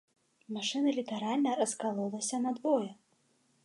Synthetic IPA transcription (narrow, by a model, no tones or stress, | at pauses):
maʂɨnɐlʲit̪ɐɾalʲnɐɾɐskalˠɔlˠɐsʲɐnɐd̪vɔjɛ